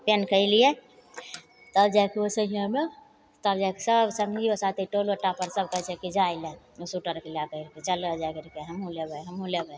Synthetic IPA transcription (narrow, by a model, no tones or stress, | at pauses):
penkəɪlije | t̪əbd͡ʒakiosəijãme | t̪əbd͡ʒajki̥səbsəŋɡiosat̪iʈoloʈapəɾsəb̚kəɦt͡ʃɛkid͡ʒaɪlɛ | osuʈəɾkelakəɾket͡ʃələd͡ʒakəɾkeɦəmũlebɛɦəmũlebɛ